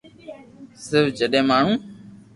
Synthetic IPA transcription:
sɪɾfd͡ʒəɗẽːmaːɳ̤ũː

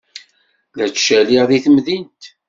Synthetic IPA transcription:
ðæt͡st͡ʃːæliʁðiθəmðint̪

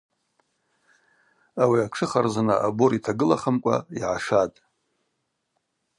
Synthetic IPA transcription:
awiaʈ͡ʂʰɨχarzanaʔaboɾitʰaɡɨlaχəmkʷʼa̰iʕaʂatʼ

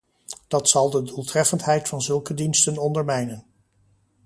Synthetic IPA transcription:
d̥ɑtsɑlˠdədulˠtrɛfəntɦɛjtfɑnzɵlˠkədinstənɔndəɹmɛjnən

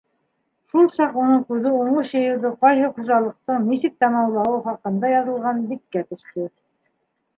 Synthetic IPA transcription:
ʃulˠsɑqunɤɴqʉðɘuɴoɕjɤ̆jɤ̆wðɤqɑjɦɤqŏʒɑlˠɤ̆q̚t̪ɤɴnisɘk̚t̪æmɑwlˠɑwɤwχɑqɤ̆nd̪ɑjɑðɤ̆lˠʁɑnbit̪kæt̪ɵ̆ʃt̪ɘ

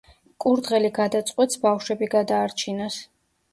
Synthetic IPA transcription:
kʼuɾd̪ʁɛliɡad̪at̪sʼqʼwɛt̪sbafʃwɛbiɡad̪aːɾt͡ʃʰinas

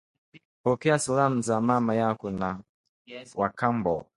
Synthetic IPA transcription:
pɔkɛasulam̩zamamajakuna | wakambɔ

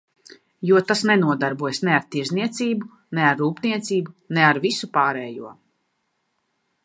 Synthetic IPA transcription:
juɔt̪asnɛnuɔd̪aɾbuɔjsnɛaɾt̪iɾzniɛt̪siːbu | nɛaɾːuːpniɛt̪siːbunɛaɾvisupaːɾɛːjṵɔ

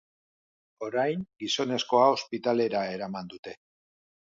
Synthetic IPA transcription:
o̞ɾajŋɡiso̞ne̞sko̞ao̞spit̪ale̞ɾae̞ɾamand̪ut̪e̞

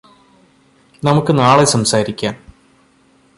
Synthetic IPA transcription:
nɐmukːɨnaːɭesɐmsaːɾikʲːaːn

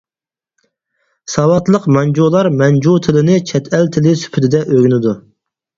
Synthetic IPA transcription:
sɑwɑt̪lˠəqmɛnd͡ʒulˠɑɾmɛnd͡ʒut̪ʰɪlɪnɪt͡ʃʰɛt̪ʰɛlt̪ʰɪlɪsy̥pʰyt̪ʰɪd̪ɛʔøɡʲynɪd̪u

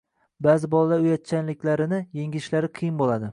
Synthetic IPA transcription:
bazɪbɒlˠad̪aʊjat̪̚t͡ʃʰanlɪkʲlaɾɪnɪjeŋʲɪʃlaɾɪqʰɨjɪmbolad̪ɪ

